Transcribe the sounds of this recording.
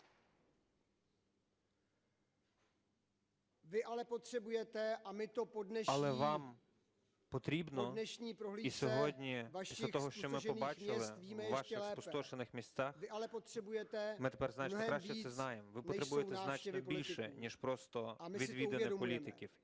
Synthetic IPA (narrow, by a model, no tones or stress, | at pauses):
vɪʔalɛpot̪r̥ɛbujɛt̪ɛʔamɪt̪opodnɛʃɐlˠɛʋɑm | pɔt̪ɾʲibnɔnɛʃɲiːpɾoɦliisʲɔɦɔdʲnʲivaisɐt̪ɔɦɔʃt͡ʃɔmɪʒɔbat͡ʃɪlˠɪvimɛjɛʋaʃɪxlsɛːpɔst̪ɔʃenɪxmʲist̪saxɪʔalɛpot̪r̥ɛbujɛt̪ɛmɪt̪epɛrznat͡ʃnkɾaʃt͡ʃɛsɛznɑjɛmʋɪpɔt̪ɾebujɛɛzanat͡ʃnɛɔbilʲʃɪɛnʲɛʃpɾɔst̪ɔmɪʋʲiʋʲid̪enɛdɔlʲit̪ɪkʲiw